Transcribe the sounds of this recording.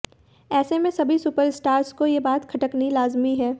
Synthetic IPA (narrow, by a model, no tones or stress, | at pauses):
ɛːsemẽsɐbʱisʊpəɾɪsʈaːɾskojebaːt̪kʰɐʈəknilaːzmiɦɛː